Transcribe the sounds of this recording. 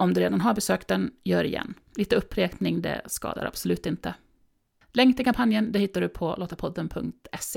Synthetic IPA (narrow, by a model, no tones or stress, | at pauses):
ɔmd̪ɵɾeːd̪anɦaɾbɛsøːkt̪ɛnjœːɾɪjɛ̰nː | liːt̪əɵpʰːɾeːknɪŋd̪ɛ̰skɑ̰ːd̪a̰ɾa̰b̥sɔlʉ̟ːt̪ɪnt̪ə | lɛŋkt̪ɪkʰampʰanjənd̪ɛhɪt̪ːaɖɵpʰɔloːt̪aɾpʰɔd̪ːənpʰɵŋk̚t̪ɛseː